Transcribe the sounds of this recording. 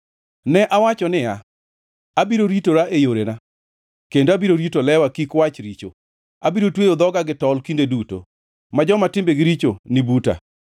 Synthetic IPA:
nɛʔawat͡ʃɔnɪa | abiɾoɾitoɾaʔejoɾena | kendoabiɾoɾitolɛwakikwat͡ʃɾit͡ʃo̰ | abiɾotwejod̪ɔɡaɡɪtɔlkindeduto̰ | mad͡ʒɔmatɪmbeɡɪɾit͡ʃonɪbuta̰

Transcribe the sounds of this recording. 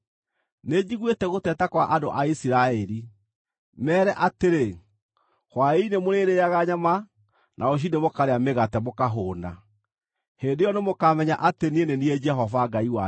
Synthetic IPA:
ned͡ʑiɣwetɛɣotɛtakwaʔado̰ʔaisiɾaɛɾi | mɛːɾɛʔateɾe | hwainemoɾeɾeaɣaɲama | nʔaoɕ̬inemokaɾeameɣatɛmokaɦoːna̰ | heːndejɔnemokamɛɲaʔatenienenied͡ʒɛɦɔvaɡaiwa

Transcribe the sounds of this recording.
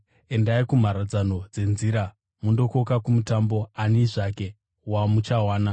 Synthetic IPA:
e̞ndaikum̤aɾad͡zano̞d͡ze̞nziɾa | mundo̞ko̞kakumutambo̞aniʐake̞ | wamut͡ʃawaːna

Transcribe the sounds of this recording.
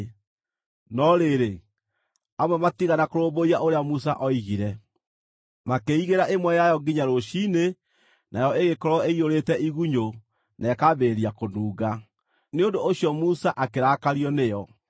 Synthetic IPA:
nɔɾeɾe | amwɛmatiɣanakoɾoːboiaoɾeamusa̰ʔɔiɣiɾɛ | makeiɣeɾaʔemwɛjajɔɡiɲaɾoɕine | nʔajɔeɣekɔɾɔeioɾetɛʔiɣuɲo | nɛkaβeɾiakonuːɣɡa | neondoʔːɕijɔmusaʔakeɾaːkaɾiɔnejɔ

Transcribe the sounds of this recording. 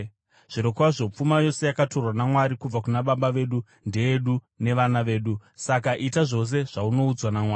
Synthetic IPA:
ʐ̥iɾo̞kaʐo̞p͡fumajo̞se̞jakato̞rwanamwaɾikub͡vakunaɓaɓaʋe̞ɗu | nde̞jeɗu | ne̞ʋanaʋe̞ːɗusakaʔitaʐo̞s̬e̞ʐ̥auno̞ud͡zwanamwaːi

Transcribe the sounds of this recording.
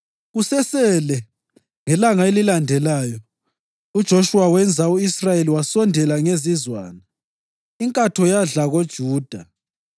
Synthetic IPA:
ɣusɛsɛlɛ | ŋɛlaŋaelilandʱɛlaːjɔ | ud̥ʒ̥ʱoʃuwawɛnd͡zʱauisrajeliwasɔndʱɛlaŋezizwa̰ːna | iŋkʼatʰɔjaɮaɣod̥ʒ̥ʱuːd̥ʱa̰

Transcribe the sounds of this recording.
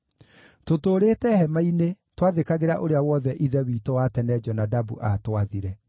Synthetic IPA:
totoːɾeːtɛhɛmaine | twaðekaɣeɾaʔoɾeawɔðɛʔiðɛwiːtowatɛnɛd͡ʒɔnadabṵʔatwaðiɾɛ

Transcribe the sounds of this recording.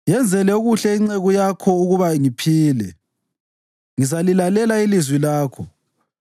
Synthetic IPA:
jɛnd͡zʱɛlɛuɣuɬɛiŋ͡ǀeɣujakʰɔuɣuβaŋipʰiːlɛ | ŋizalilalɛlailizwilaːkʰɔ

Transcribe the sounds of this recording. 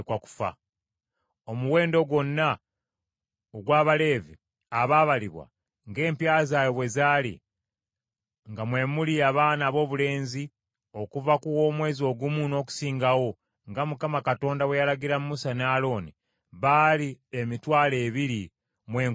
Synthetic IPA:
kwaku̥fa̰ | omuwe̞ːndo̞ɡwo̞nːa | oɡwaːβale̞ːvḭ | aβaːβaliβwa̰ | ŋɡe̞ːmpjaːzaːjoβwe̞zaːlḭ | ŋɡamwe̞muliaβaːnaːβo̞ːβule̞ːnzi | o̞kuvakuwo̞ːmwe̞ːzo̞ɡumuno̞ku̥siːŋɡawo̞ | ŋɡamukamakato̞ːndawe̞jalaɡiɾamumusanaːlo̞ːni | βaliemitwaːle̞ːβiɾi | mweː

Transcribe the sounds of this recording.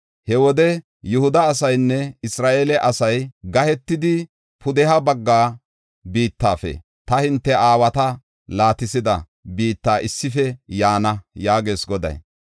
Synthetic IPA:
hɛwɔd̪ɛ | jʊhʊd̪ɐːs̬ɐjnːɛɪsɾaːʔeːlɛʔɐsɐjɡɐhɛt̪ːɪd̪ɪ | pʰʊd̪ɛɦɐbɐɡːaː | biːt̪ːaːfɛ̰ | t̪ɐhɪnt̪ːɛʔaːwɐt̪ɐ | laːt̪ɪsɪd̪ɐ | biːt̪ːaːʔɪsːɪfɛjaːnɐjaːɡe̞ːsɡɔd̪ɐ̰j

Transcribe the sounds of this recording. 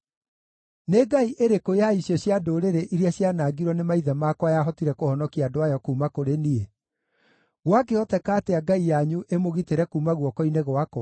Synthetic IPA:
neɡaiʔeɾekoeaisjɔɕjadoːɾeɾeʔiɾjaɕjanaɡiɾɔnemaiðɛmaːkwajaɦɔtiɾɛkohɔnɔkiaːdoajɔkuːmakoɾenie | ɣwak̬eɔtɛkaːteaɡaijaɲuʔemoɣiteɾɛkuːmaɣwɔkɔineɣwakɔ

